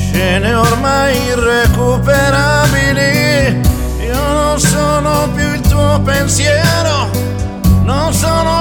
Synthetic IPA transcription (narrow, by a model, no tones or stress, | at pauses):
t͡ʃɛnɛoɾmajirekupeɾabili | iononsɔnopjuilt̪uoopensjɛːɾo | nonsɔno